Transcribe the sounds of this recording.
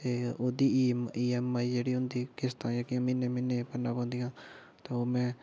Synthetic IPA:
t̪eːoːd̪iːiːɛːmaːiːd͡ʒeːɽiːɦʊnd̪iːkɪst̪ãːd͡ʒakɪjãːmɪnẽːmɪnːẽːpənãːpãːnd̪ijãː | t̪ãːoːmɛ̃ː

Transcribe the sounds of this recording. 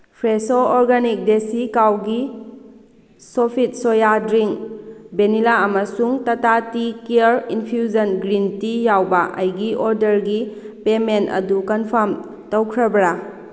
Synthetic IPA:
pʰɾesoɔɾɡanik̚desikawɡi | sopʰit̚sojadɾiŋbenilaɐmɐsuŋtɐtatikiəɾinpʰjuzɐnɡɾintijawbɐʔɐ̰jɡiʔɔɾdɐɾɡi | pementɐ̰dukɐnpʰɐɾm | tɐwkʰɾɐbɾa

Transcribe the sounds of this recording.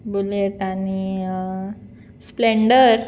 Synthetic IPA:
buleʈani | spleɳɖəɾ

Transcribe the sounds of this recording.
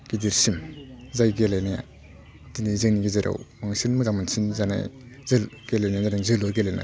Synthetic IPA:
ɡ̥idiɾsimzajɡelajnaja̰ | dinizɯŋniɡizeɾa̰wmaŋsɯnmɯzamɯnsinzana̰jzɯlɡelajnajzanaŋzɯlɔɡelajna̰j

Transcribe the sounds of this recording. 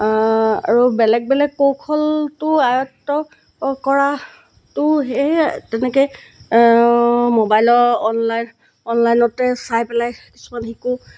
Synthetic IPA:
a̰ɹubɛlɛɡ̚bɛlɛɡ̚powkʰɔltʊajɔtːɔ | kɔɹa | tʊɦɛtɛnɛkɛj | mobajlɔɔnlajn | ɔnlajnɔtɛsajpɛlajki̥su̥manxiku

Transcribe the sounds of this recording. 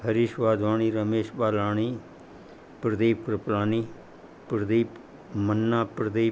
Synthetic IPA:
həɾiːʃʋaːd̪ʋaːɳiːɾəmeːʃbaːlaːɳ̃iː | pɾəd̪eːpɾəplaːniː | pɾəd̪eːp | mənːaːpɾəd̪eː

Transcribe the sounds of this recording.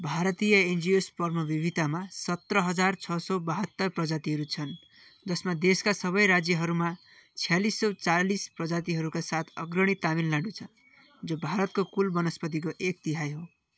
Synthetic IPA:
bʱaɾʌt̪ijʌend͡zijospʌrmʌbibʱit̪amasʌt̪rʌɦʌd͡zart͡sʰʌsɔbaɦʌt̪ːʌrprʌd͡zat̪iɦʌɾut͡sʰʌn | d͡zʌsmad̪eskasʌβʌjɾad͡zjʌɦʌɾuma | t͡sʰijalisːʌt͡salisprʌd͡zat̪̬iɦʌɾukasat̪ʰʌ̰ɡrʌɽ̃it̪aminlaɖũt͡sʰʌ | d͡zobʱaɾʌt̪̚kokulbʌnʌspʌt̪̬ik̬oʔek̚t̪iɦajɦo

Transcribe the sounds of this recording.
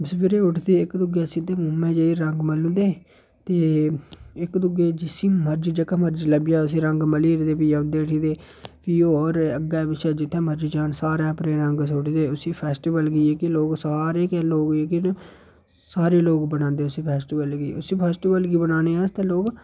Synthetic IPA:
sʋɪɾeːʊʈʰd̪eːɪkd̪ʊɡeːsid̪eːmʊmːẽːd͡ʒəiːɾəŋɡməlʊ̃ːnd̪eː | t̪eː | ɪkd̪ʊɡeːd͡ʒɪsĩːməɾd͡ʒd͡ʒəkːaməɾd͡ʒləbijaːʊs̬ĩːɾəŋɡməliːɾd̪eːpiãʊ̃nd̪eːʈʰiːd̪eː | piːoːɔːɾəɡɛːbɪʃɛːd͡ʒɪt̪ʰːẽːməɾd͡ʒid͡ʒaːnsaːɾeːəpɾẽːɾəŋɡsoʈʰd̪eːʊsiːpʰɛːsʈiːʋəlɡiːeːkɪloːɡsaːɾeːkeːloːɡeːkɪn | saːɾeːloːɡbənãːnd̪eːʊsĩːpʰɛːsʈiːʋəlɡiːʊsiːpʰɛːsʈiːʋəlɡiːbənaːneːãːst̪ẽːloːɡ

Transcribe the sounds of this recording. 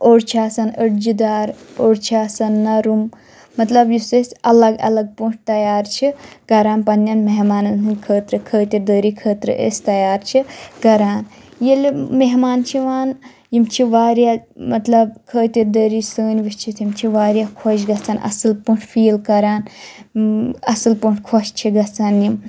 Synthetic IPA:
oːɽt͡ʃʰaːsɐnəɽd͡ʒid̪aːɾoːɽt͡ʃʰaːsɐnːɐɾum | mɐt̪lɐbjusesʲɐlɐɡɐ̰lɐɡ̚puʈ̚ʰt̪ɐjaːɾt͡ʃʰikɐɾaːnpɐnːʲɐnmeɦmaːnɨnt̪ʰɨnʲkʰəːt̪ɾɨkʰəːt̪ʲid̪əːɾikʰəːt̪ɾɨ̰ʔḛːsʲt̪ɐjaːɾt͡ʃʰikɐɾaːn | jilʲmeɦmaːnt͡ʃʰiʋaːn | jimt͡ʃʰiʋaːɾjamɐt̪lɐb̚kʰəːt̪ʲid̪əːɾisəːnʲʋit͡ʃʰit̪ʰjimt͡ʃʰiʋaːɾjaːkʰoʃɡɐt͡sʰaːnʔɐ̰sɨlpuʈʰfʰiːlkɐɾaːn | ɐsɨlpuɳʈʰkʰoʃt͡ʃʰiɡɐt͡sanjim

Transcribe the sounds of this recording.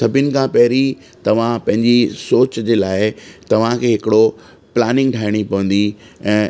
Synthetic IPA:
sɐbʱjɪnɪ̆kʰãːpɐɦɪɾi | t̪ɐʋ̤ãpɐ̃ɦɪ̃ɲd͡ʑisoːt͡ɕd͡ʑeːlaːɪt̪ɐʋ̤ãkʰeːɦɪkɪɽo | plaːnɪ̃ŋɡʈʰaːɪɽ̃ipɐʋə̃nd̪i | ɛ̃ː

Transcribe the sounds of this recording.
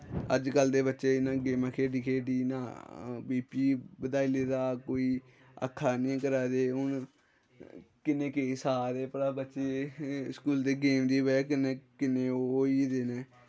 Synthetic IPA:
ə̰d͡ʒkəld̪eːbətːʃeːɪnãːɡeːmãːkʰeːɖiːkʰeːɖiːnãːbiːpiːbəd̪aːiːleːd̪aːkoːiː | ə̰kʰːaːnĩːkəɾaːd̪eːɦʊn | kɪnẽːkesaːɾeːpəɽaːbətːʃeːskuːld̪eːɡeːmd̪iːʋɛːkɪneːkɪneːooːiːd̪eːneː

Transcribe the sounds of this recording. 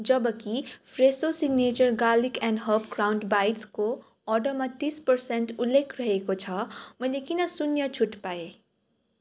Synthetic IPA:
d͡zʌbʌkipʰresosiɡnet͡ʃʌrɡalikɛ̃nɖɦʌpkrawnɖbajʈsko | ʌɖʌmat̪ispʌrsenʈulːekʰrʌɦekot͡sʰʌmʌjlekinʌsunjʌt͡sʰuʈpae

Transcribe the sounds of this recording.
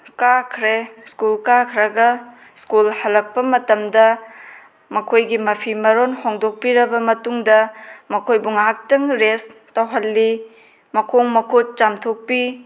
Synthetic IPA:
kakʰɾeskulkakʰɾɐɡɐ | skulhɐlːɐk̚pɐmɐtɐmdɐ | mɐkʰojɡimɐpʰimɐɾonhoŋdok̚piɾɐbɐmɐtuŋdɐmɐkʰojbuŋak̚tɐŋɾes | tɐwɦɐlːi | mɐkʰoŋmɐkʰot̚t͡ʃamtʰok̚pi

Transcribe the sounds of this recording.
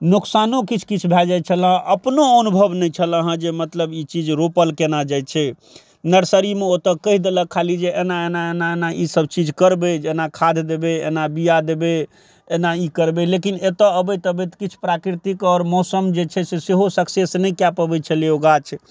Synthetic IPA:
nuksanokit͡ʃʰkit͡ʃʰbʱɛd͡ʒajt͡ʃʰəlɦə̃ʔəpnoənubʱəbnɛt͡ʃʰələɦə̃d͡ʒemət̪ləbit͡ʃid͡ʒɾopəlkenad͡ʒajt͡ʃʰɛ | nəɾsəɾimeot̪əkəɦid̪eləkʰalid͡ʒeʔenaenaenaenaʔisəb̚t͡ʃid͡ʒkəɾbed͡ʒenakʰad̪ʱd̪ebeḛnabijad̪ebe | enaikəɾbelekinet̪əəbət̪əbət̪kit͡ʃʰu̥pɾakɾit̪ikɔɾmɔsəmd͡ʒet͡ʃʰɛseseɦosəksesnəjkjapəbɛt͡ʃʰəleoɡat͡ʃʰ

